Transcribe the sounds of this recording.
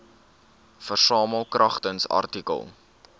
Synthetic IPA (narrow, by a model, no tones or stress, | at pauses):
fərsɑːməlˠkrʔɐχtənsɐ̰rtikə̰lˠ